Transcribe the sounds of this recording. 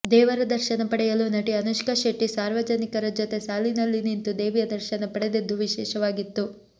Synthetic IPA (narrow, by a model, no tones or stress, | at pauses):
d̪ɛːʋɐɾɐd̪ɐɾʃɐnɐpɐɽɛjɐlunɐʈiɐnuʃkɐʃeʈːisaːɾʋɐd͡ʒɐnikɐɾɐd͡ʒot̪e̞saːlinɐlːinint̪ud̪eːʋijɐd̪ɐɾʃɐnɐpɐɽed̪ed̪ːuʋiʃɛːʃɐʋaːɡit̪ːu